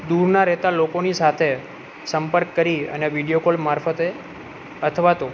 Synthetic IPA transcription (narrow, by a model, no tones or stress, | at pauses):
d̪uɾnaɾɛɦt̪alokonisat̪ʰe | səmpəɾkːəɾiə̰neʋiɽijokolmaɾfət̪e | ət̪ʰəʋat̪o